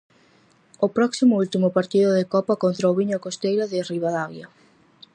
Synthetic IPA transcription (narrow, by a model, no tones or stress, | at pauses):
ʊpɾɔksimʊult̪imʊpaɾt̪iðʊðekɔpakont̪ɾaoβiɲʊkost̪ejɾaðɪriβaðaɣja